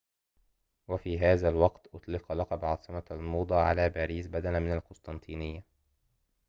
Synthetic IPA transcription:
wafiːɦaːðalwɑqt̪ʔʊt̪ˤlɪqɑlɑqɑbʕɑːsˤɨmalmuːd̪ˤɑːʕa̰laːbaːɾiːsbad̪alamɪnalkʊst̪ˤɑnt̪ʰˤiːnɪjːa

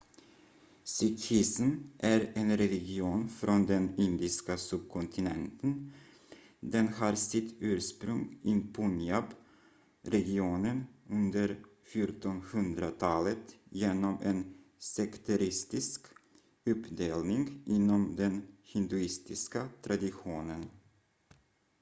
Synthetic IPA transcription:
sʏkʰɪsmʔæɾenɾɛlɪɡɪuːnfɾʔɔnd̪ɛnɪnd̪ɪskasɵb̚kʰɔnt̪ʰɪnɛ̰nt̪ʰən | d̪ɛnhɑːɾsɪt̪ʰːʉ̟ːɾspɾɵŋɪpʰʊnɪab | ɾɛɡɪuːnənɵnd̪əɾfjʊʈɔnhɵnd̪ɾat̪ʰɑːlət̪jeːnɔmɛnsɛkt̪ʰaɾɪst̪ɪsk | ɵpd̪eːlnɪŋʔɪnːɔmd̪ɛnhɪnd̪ʉɪst̪ɪskat̪ʰɾad̪ɪɧuːnən

